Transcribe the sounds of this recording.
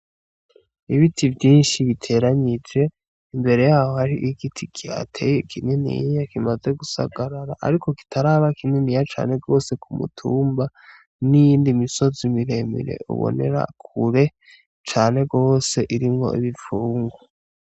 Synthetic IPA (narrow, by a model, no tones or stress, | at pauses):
iβitʰivjiːnʃiβitʰe̞ɾaɲid͡ʒe̞ | imbe̞ɾe̞jaːho̞haɾiʔiɡitʰikia̰tʰejekʰininḭjjakimaze̞ɡusa̰ɡaɾaɾa̰ʔa̰ɾiko̞ki̥tʰaɾaβakininijat͡ʃa̰ːne̞ɡo̞ːse̞kʰumṵtʰuːmba | nijiːndimiso̞zimiɾe̞mḭɾe̞̰ʔṵβo̰ne̞̰ɾa̰kʰuɾe̞ | t͡ʃaːne̞ɡo̞ːse̞ʔiɾimŋo̞̰ʔiβifuːŋɡwa